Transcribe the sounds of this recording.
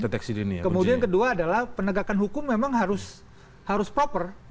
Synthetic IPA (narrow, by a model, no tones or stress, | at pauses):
det̪ɛksiduniakəmudiankəduaːdalahpənəɡakanɦukʊmːemaŋɦaɾʊs | haɾʊspɾopər